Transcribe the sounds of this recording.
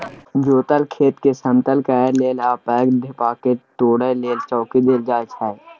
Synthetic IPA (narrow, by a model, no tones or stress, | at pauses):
d͡ʒoːt̪əlkʰeːt̪kesə̃mt̪əlkɛːleːlaːpɛːkd̪ʱɪpaːket̪oːɽəleːlt͡ʃɔːkid̪eːld͡ʒaːet͡ʃʰɛːe